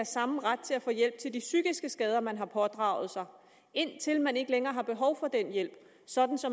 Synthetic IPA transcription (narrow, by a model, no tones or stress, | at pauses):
æɐsɑ̈m̩ʁad̥̚t͡sʰe̝æfɔ̽ːjel̰b̥̚t͡sʰe̝ldisyɡ̥isɡ̥əsɡ̥ɛːð̞ˠɐmænɦɑ̈pʰɒ̽d̥ʁɑ̈ʊð̩ˠsɑ̈ɪ | e̝n̰t͡sʰe̝lmæne̝ɡ̥əleŋɐːɦɑ̈b̥e̝ɦɒ̽ʊfɒ̽d̥enjel̰b̥ | sɒ̽d̥n̩sɒ̽